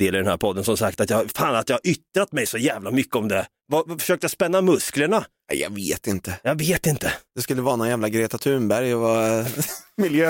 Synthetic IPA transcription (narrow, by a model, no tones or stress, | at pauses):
d̪eːlɪɾdɛnhæ̰ɾpʰɔd̪ːənsɔmsakt̪at̪jɑfaːnat̪jɑːhaɾʔʏt̪ːɾat̪mɛjsɔjæːvlamʏkːəɔmd̪ɛ | vafœ̥ʂøːk̚t̪əjaspɛnːamɵskləɳanæ̰jɑ̰ɡveːt̪ɪnt̪əjɑɡveːt̪ɪnt̪əd̪̥ɛskɵlːəvɑːɾanɔnjæːvlaɡɾeːt̪at̪ʰʉːmbæɾjɔva | mɪljøː